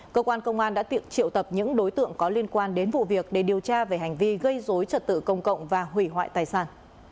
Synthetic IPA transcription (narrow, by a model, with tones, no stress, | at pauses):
kəː˧kwaː˧nkə˧wŋ͡mʔaː˧nɗa̰ː˧˥t̪i˧˩ək̚t͡ɕḭ˧˨əwt̪ə˨˩p̚ɲɨ̰˧˥ŋɗo˨˦jt̪ɨ̰˧˨əŋkɔ˨˦li˧ənkwaː˧nɗe˨˦nvṵ˧˨vi˨˩ək̚ɗe˧˨˩ɗi˨˩əwt͡ɕaː˧ve˧˩ɦa˨˩jŋ̟vi˧ɣə˧jzo˨˦jt͡ɕə˨˩t̚t̪ɨ̰˧˨kə˧˩wŋ͡mkə̰˧˨wŋ͡mvaː˨˩ɦwi˧˩ɦwa̰ː˧˨jt̪aː˨˩jsaː˧˩n